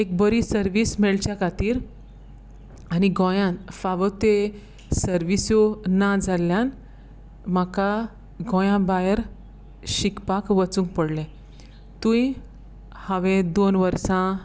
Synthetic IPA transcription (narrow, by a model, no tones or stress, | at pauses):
ek̚bəɾisəɾʋiːsmeɭt͡ɕjakʰat̪iːɾ | aniɡʱɔ̃jãnfaʋət̪e | səɾʋisjonad͡zʱaljãn | maka | ɡʱɔ̃jãbajəɾ | ɕikpakʋət͡sũŋk̚pəɽlẽ | t̪ũĩ | haʋẽd̪onʋəɾsã